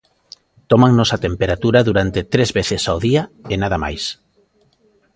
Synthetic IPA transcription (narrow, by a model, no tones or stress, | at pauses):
t̪omaŋnosat̪empeɾat̪uɾaðuɾant̪et̪ɾezβeθɪsaoðiaenaðama̰js